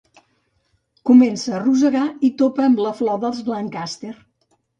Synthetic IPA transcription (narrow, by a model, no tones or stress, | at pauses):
kumensəːruzəɣait̪opəːmləflɔðəlˠzβlaŋkast̪er